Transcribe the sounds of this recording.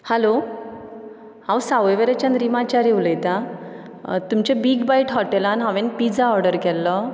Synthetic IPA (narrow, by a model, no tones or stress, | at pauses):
hɛlo | hãwsaʋeʋeɾet͡ɕanɾimat͡ɕaɾewləjt̪a | t̪umt͡ɕebiɡbaiʈɦɔʈɛlanɦãʋenpid͡zaɔɾɖəɾkɛlːɔ